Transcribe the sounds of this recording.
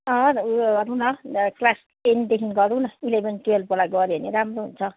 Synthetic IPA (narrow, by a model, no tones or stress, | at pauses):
ʌɾunʌklas | end̪ekʰinɡʌɾunʌilebʌnt̪uelpolaɡʌɾianiɾamɾunt͡sʰʌ